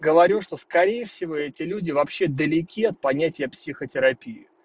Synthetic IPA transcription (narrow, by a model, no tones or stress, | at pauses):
ɡəvɐɾʲuʂt̪o̞skɐɾʲejəfsʲɪvo̞ɛtʲɪlʲudʲɪvɐpɕːe̞d̪əlʲɪkʲiɐt̪̚pɐnʲætʲɪjəpsʲixətʲɪɾɐpʲiɪ